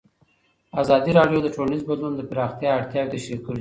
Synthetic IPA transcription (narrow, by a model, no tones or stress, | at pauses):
azɑd̪iɾɑɖjod̪əʈonizbad̪lund̪əpɾɑxt̪jɑaɽt̪jɑɡ̚d̪əʃekəɽ